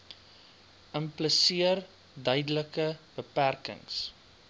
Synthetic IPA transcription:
əmpləsiər | dœjdələkəb̥əpærkə̰ŋs

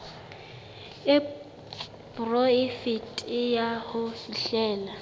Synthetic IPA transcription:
ɪ | prɔɪfitʼɪjahʊfiɬɛːla

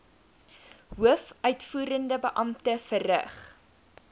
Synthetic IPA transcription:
ɦuəfʔœɥtfuːɾəndəbəʔɐmtəfərə̰χ

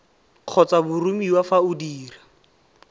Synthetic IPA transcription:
q͡χʰɔt͡sabʊrumiwafaʊdiːra

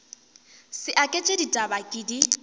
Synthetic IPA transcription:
sɪʔakʼet͡ʃʼeditʼabakʼɪdi

